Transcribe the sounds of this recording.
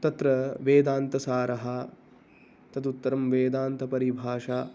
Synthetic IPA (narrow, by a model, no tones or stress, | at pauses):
t̪ɐt̪ɾɐʋeːd̪aːnt̪ɐsaːɾɐɦɐ | t̪ɐt̪ut̪ːɐɾɐmʋeːd̪aːnt̪ɐpɐɾibʱaːʂaː